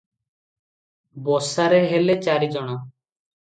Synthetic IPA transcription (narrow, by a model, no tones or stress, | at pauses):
bɔsaɾeɦelet͡ʃaɾid͡ʒɔɽ̃ɔ